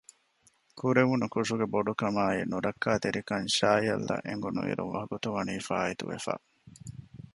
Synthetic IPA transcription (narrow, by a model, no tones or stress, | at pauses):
kʰuɾeʋunukuʂuɡeboɖukɐmaːinuɾɐkːaːt̪eɾikɐnʃaːjɐ̰lːɐ̰ʔeŋɡunṵʋḭɾṵnʋɐɦɐɡut̪uʋɐniːfa̰ːit̪ṵʋḛfa̰ː